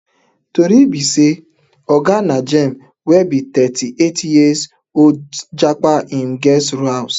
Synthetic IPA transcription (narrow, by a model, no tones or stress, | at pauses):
toɾibise | ɔɡanad͡ʒɛm̩ | webitɛtiʔetʰijes | od͡ʒak͡paʔiŋ̩ɡɛsɾuaws